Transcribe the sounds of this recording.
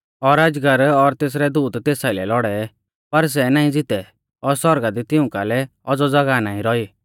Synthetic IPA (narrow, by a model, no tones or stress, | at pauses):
ɔɾad͡ʒɡəɾɔɾt̪eːs̬ɾɛd̪uːd̪t̪eːsaɪlɛlɔɽɛ | pɐɾs̬ɛnaːĩd͡zɪt̪ɛ | ɔɾsɔɾɡad̪it̪ɪʊ̃kalɛ | ɔd͡zɔd͡zɐɡanaːĩɾɔiː